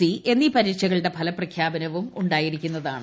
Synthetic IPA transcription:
iʔe̞nːipɐɾiːt͡ɕːɐɣɐɭɨɽe̞pʰɐlɐprɐkʰjaːbɐnɐʋumuɳɖaːjiɾikʲːunːɐða̰ːɳɨ

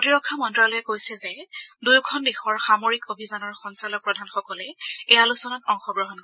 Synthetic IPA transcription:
potiɹɔkʰːamɔntɹalɔjɛkojsɛzɛdujkʰɔndexɔɹxamoɹikobʱizanɔɹxɔnsalɔk̚pɹɔdʱanxɔkɔlɛejalusɔnatɔŋxɔɡɹɔɦɔnkɔɹ

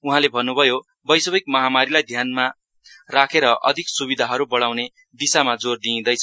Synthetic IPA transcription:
uɦãlebʱʌnːubʱʌjo | bʌjsʌbʌjk̚mʌɦamaɾilajd̪ʱjanma | rakʰeɾʌʔʌ̰d̪ʱiksubid̪ʱaɦʌɾubʌɽawne | d̪isamad͡zord̪ĩːd̪ʌjt͡sʰʌ

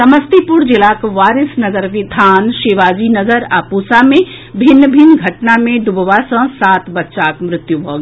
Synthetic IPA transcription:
sɐməst̪ipʊɾd͡ʒɪlaːkʋaːɾɪsnɐɡəɾʋɪd̪ʱaːnʃeːʋaːd͡ʒinɐɡəɾa̰ːpuːsamẽ | bʱɪnːbʱɪnɡʱɐʈnamẽɖʊbʋasɐ̃saːt̪bɐtːʃaːkmɾɪt̪jubʱoːɡe

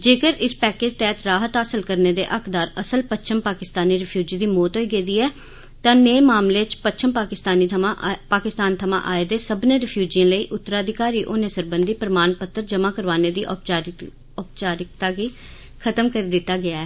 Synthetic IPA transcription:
d͡ʒeːkəɾɪspɛːkeːd͡ʒt̪ɛːt̪ɾaːɦət̪aːsəlkəɾneːd̪ḛːʔəkʰd̪aːɾəsəlpət͡ʃʰəmpaːkɪst̪aːniːɾɪpʰjuːd͡ʒiːd̪iːmɔːt̪ɦoːiːɡeːd̪iːɛː | t̪ãːneːmaːmleːt͡ʃpətːt͡ʃʰəmpaːkɪst̪aːniːpaːkɪst̪aːnt̪ʰəmã̰ːʔaːeːd̪eːsəbnẽːɾɪpʰjuːd͡ʒijə̃ːləiːʔʊt̪ːəɾaːəd̪ʱɪkaːɾiːʔoːnẽːsəɾbənd̪iːpəɾmaːnpət̪ːəɾd͡ʒəmãːkəɾʋaːneːd̪iːʔ | ʊpt͡ʃaːɾɪk̚t̪aːɡiː | kʰət̪əmkəɾeːd̪ɪt̪ːaːɡɪaːɛː

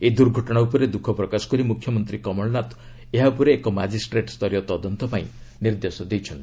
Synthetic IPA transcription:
ed̪uɾɡʱɔʈɔɽ̃aupɔɾed̪ukʰɔpɾɔkasɔ̥kɔɾimukʰːjɔmɔnt̪ɾikɔmɔɭɔnat̪ | eɦaupɔɾeːkɔmad͡ʒisʈɾeʈst̪ʰɔɾjɔt̪ɔd̪ɔnt̪ɔpaĩniɾd̪esɔd̪ejt͡ʃʰɔnt̪i̥

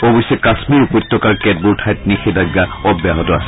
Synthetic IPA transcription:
obɔsɛkasmiɹupɔt̪ːɔkaɹkɛd̚buɹtʰajt̚nixedaɡːaɔbjaɦɔtɔasɛ

